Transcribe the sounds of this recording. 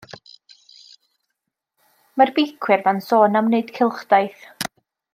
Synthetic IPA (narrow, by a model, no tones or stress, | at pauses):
marbɪkʰwɨrvansɔːnamneɨd̥kʰɪlˠχd̥ajθ